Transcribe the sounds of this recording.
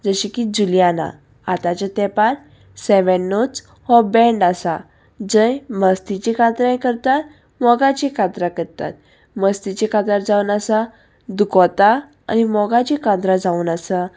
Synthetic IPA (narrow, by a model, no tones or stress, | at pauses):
d͡zəɕikid͡ʑuljana̰ | at̪at͡ɕat̪ɛpaɾ | sɛʋənːot͡s | hɔbɛɳɖasa | d͡zə̃jməst̪it͡ɕikʰat̪ɾãjkəɾt̪at̪ | mɔɡãt͡ɕikʰãt̪ɾakəɾt̪a̰t̪̚ | məst̪it͡ɕikʰat̪aɾd͡zaunasa | d̪ukɔt̪a | a̰nimɔɡãt͡ɕikʰat̪ɾad͡zauːnəsa